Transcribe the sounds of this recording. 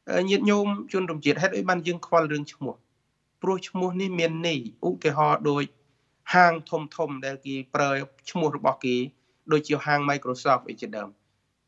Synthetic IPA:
ʔəːɲiət̪̚ɲuːmt͡ɕuənt̪umt͡ɕiət̪̚ɦaɛt̪ʔəːj̚ɓaːnjəːŋkʰʋalrɨəŋt͡ɕʰmʊ̆əh | prʊ̆əht͡ɕʰmʊ̆əhnihmiənːijʔut̪iəɦɑːɗoːc̚ | haːŋt̪ʰumt̪ʰumɗaɛlkeːprəːt͡ɕʰmʊ̆əhrɔɓɑhkeː | ɗoːc̚t͡ɕiəɦaːŋmajkruːsɑːfʔə̰ːjt͡ɕiəɗaəm

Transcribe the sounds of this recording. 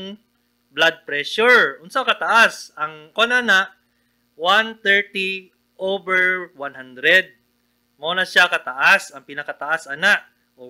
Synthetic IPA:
ŋ | blad̪̚pɾɛʃʊɹʔʊnsakɐt̪ɐʔasɐŋkonanaʔ | want̪ɛɹt̪i | ʔowbɛɹwanɦand̪ɾɛd̪̚ | moonɐʃakɐt̪ɐʔasɐŋpɪnɐkɐt̪ɐʔasɐnaʔ | ʔo

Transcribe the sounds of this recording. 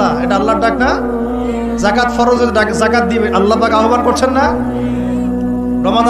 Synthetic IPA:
aeʈaalːaɾɖak̚ʈa | zakat̪fɔɾod͡ʑeɾɖakzakat̪̚d̪ibeʔɐlːapakaɦobankoɾt͡ɕʰenːa | ɾɔmad̪

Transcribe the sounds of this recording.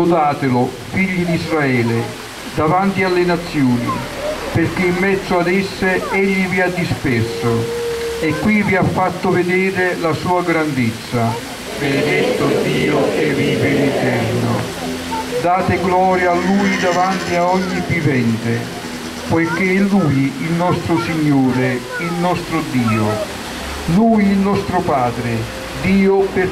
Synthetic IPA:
od̪aːt̪ɪlʊ | fiʎːid̪izraɛːle | d̪avant̪ialːenat̪sːjoːnḭ | perk̟ːeimːɛd̪zoad̪esːeeʎːiviad̪ːispɛrsoekːwiviafːat̪ːʊved̪eːɾelasuːaɡɾand̪et̪sːa | bened̪ɛt̪ːʊd̪iːoɛiveɾit̪ɛrno̰ | d̪aːt̪ɪɡlɔːɾjaːlːuːjd̪avant̪iaɔɲːivːivɛnt̪ɪ | pojkelːuːjilnɔst̪ɾʊsiɲːuːɾe | ilnɔst̪ɾʊd̪iːʊ | luːjilnɔst̪ɾʊpaːd̪ɾɪ | d̪iːʊpɪ

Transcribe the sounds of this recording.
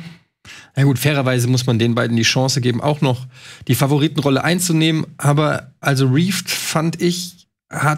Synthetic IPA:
jaːɡuːtfɛːʁ̞ɐvaɪzəmʊsmandeːnbaɪdn̩diːʃɑ̃ːsəɡeːbm̩ʔa̰ʊxnɔχd̥iːfavoʁiːtn̩ʁɔləʔaɪnt͡suneːmənʔaːbɐʔalzoʁiːftfantɪç | ha

